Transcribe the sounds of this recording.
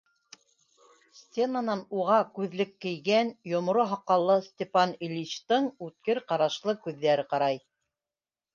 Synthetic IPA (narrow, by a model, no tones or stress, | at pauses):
sʲt̪ʲenanɑnuʁɑkʉðlɘkːɘ̆jɡænjŏmŏɾoɦɑqːɑlˠːɤsʲtʲepɑnilʲiɕt̪ɤɴʉt̪̚kɘɾqɑɾɑʃlˠɤkʉðːæɾɘqɑɾɑj